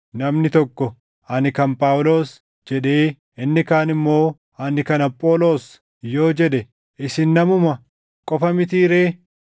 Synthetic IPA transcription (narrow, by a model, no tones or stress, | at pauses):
nɐmnɪt̪ɔkːɔ | ʔɐnɪkɐnpʼaːwʊlo̞ːs | d͡ʒɛᶑe̞ː | ɪnːɪkaːnɪmːo̞ː | ɐnɪkɐnɐpʼːo̞ːlo̞ːs | jo̞ːd͡ʒɛɗɛ | ʔɪsɪnːɐmʊmɐ | kʼɔfɐmɪt̪iːɾeː